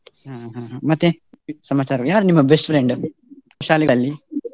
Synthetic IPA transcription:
ɦãːɦaɦamɐt̪ːe | sɐmaːt͡ʃaːɾɐjaːɾnimːɐbesʈfʰɾeɳɖ | koʃaːliɡɐlːi

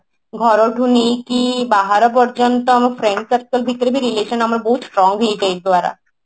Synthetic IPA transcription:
ɡʱɔɾoʈunikibaɦaɾapɔɾd͡ʑont̪oamaɾfɾeɳɖkapi̥kalbʱit̪ːoɾebʱiɾileʃonamaɾboɦut̪sʈɾɔŋɦejet͡ɕajd̪oaɾa̰

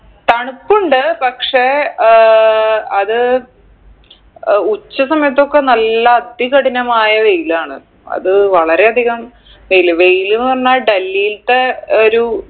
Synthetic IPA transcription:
t̪ɐɳukːuɳɖɨpɐkʂe | ɐðɨ | ut͡ɕːɐsɐmɐjɐt̪ːo̞kːe̞nɐlːɐːd̪iɣɐɽinɐmaːjɐʋe̞jilaːɳɨ | ɐ̰ðɨʋɐɭɐɾe̞ɐd̪ʱiɣɐmɳɐ | ʋejilɨʋe̞jlunʋɐrnːaːlɖɐlːijilt̪eoɾu

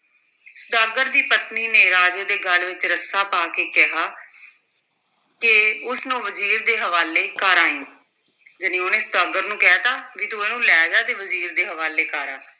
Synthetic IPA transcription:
sʊd̪aːɡəɾd̪iːpət̪niːneːɾaːd͡ʒəːd̪eːɡəlʋɪt͡ʃɾəsaːpaːkeːkɪɦaː | kɪʊsnũːʋəziːɾd̪eːɦəʋaːleːkaːɾaːĩː | d͡ʒənĩːʊneːsʊd̪aːɡəɾnũːkɛɦaːt̪aːʋiːt̪oeːnũːlɛːd͡ʒaːd̪eːʋəziːɾd̪eːɦəʋaːleːkaːɾaː

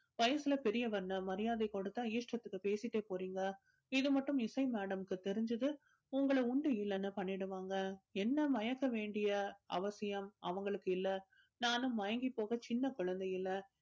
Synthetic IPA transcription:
ʋɐjɐsɪlɐpɛɾɪjɐʋɐɾɯnːɐmɐɾɪjaːðɐɪkoɽɯt̪ːãːiːʂʈɾɐt̪ːɯkːɯpeːsɪʈːeːpoːɾiːŋɡɐ | ɪðɯmɐʈːɯmɪsɐɪmaːɽɐmɯkːɯt̪ɛɾɪɲd͡ʒɯðɯ | ʊŋɡɐɭɐʊɳɖɯɪlːɐnːɐpɐɳːɪɽɯʋaːŋɡɐɛnːɐmɐjɐkːɐʋeːɳɖɪjɐɐ̰ʋɐsɪjɐmɐ̰ʋɐŋɡɐɭɯkːɯɪlːɐ | naːnɯ̃ːɐjɐŋɡipːoːɣɐt͡ʃɪnːɐkʊɻɐnd̪ɐjɪlːɐ

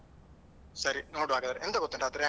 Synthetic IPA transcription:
sɐɾinoːɽʋaːɡɐd̪aːɾɛnd̪ɐɡɔt̪ːɐɳɖaːt̪ːɪɾ

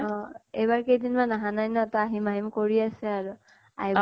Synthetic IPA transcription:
ɔ̃ejbaɹkejdinmanaɦanajnaɛtaaɦimaɦimkoɹiasɛaɹu | a̰ɦi

